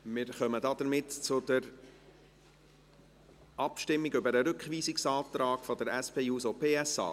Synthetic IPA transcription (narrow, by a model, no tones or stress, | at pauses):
mɪɾχœməd̪ɑːd̥̪əɾmɪtt͡sʊd̥̪əɾ | ɑpʃtɪmːiɡʏbəɾəɾʏkχʋiːsɪksɑːt̪ɾɑːɡ̥fɔd̪əɾɛspʰeːuːsopʰeːɛsɑ̰ː